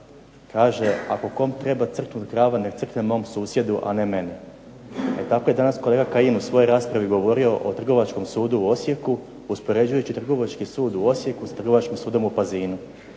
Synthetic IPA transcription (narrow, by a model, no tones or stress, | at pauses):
kaːʒe̞a̰ko̞ko̞mt̪ɾe̞bat̪sr̩knut̪kɾaːʋanek̪sr̩knemo̞ːmsuːsje̞d̪uʔa̰ne̞me̞ni | ḛt̪akojed̪anasko̞le̞ːɡakainusʋo̞jojɾaːspɾaʋiɡo̞ʋo̞ɾio̞ʔot̪r̩ɡo̞ʋat͡ʃko̞msuːd̪uuo̞sje̞ku | uspo̞ɾe̞d͡ʑujut͡ɕit̪r̩ɡo̞ʋat͡ʃkisuːd̪uo̞sje̞kusḁt̪r̩ɡo̞ʋat͡ʃkimsuːd̪o̞mupaziːnu